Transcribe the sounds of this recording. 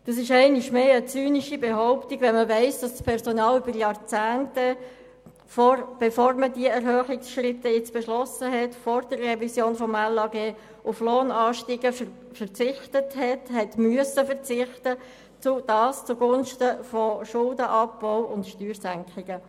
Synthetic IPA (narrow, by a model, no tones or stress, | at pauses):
d̥ɑs̬ɪʃɛɪnɪʃmeːət͡syːniʃibeɦɔʊptiɡʋɛnməvɛɪsd̥ɑsspʰɛɾsɔnɑːlybəɾjɑɾt͡sæːntə | fɔrb̥efoːɾmədiəɛɾhœːχɪksʃrɪtːəjɪt͡sb̥ɛʃlɔsəɦɛtfɔrd̥ərːɛvisjoːnfɔmælːɑɡeː | ʔʊfloːnɑːʃtiːɡə | fərt͡sɪχtəthɛthɛtmyəsəfəʁt͡sɪχtə | t͡sud̥ɑːst͡suɡʊnʃtəfɔʃʊldəʔɑpbɔʊʊntʃtyːɾsæŋkχɪɡ̥ə